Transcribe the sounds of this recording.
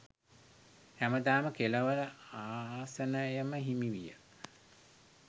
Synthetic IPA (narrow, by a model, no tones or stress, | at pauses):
hæməd̪aːməkeləʋələaːsənəjəməɦimiʋijə̰